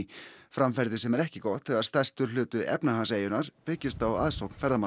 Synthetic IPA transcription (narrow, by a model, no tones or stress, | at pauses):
fɾamfɛɾðɪsɛmɛɾɛhcɪkɔht̪ʰθɪɣaðst̪ar̥st̪ʏɾ̥l̥ʏːt̪ʏʔɛ̰pnaɦanseːjʏnaɾ̥pɪcɪst̪awa̰ðsowkn̥fɛɾðama